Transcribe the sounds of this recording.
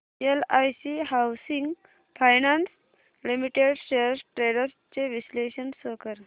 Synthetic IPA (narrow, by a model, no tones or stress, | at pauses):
elajsiɦawsiŋɡ | fʰajnans | limiʈeɽɕeəɾsʈɾeɽəɾst͡ɕeʋisleɕənsəkəɾ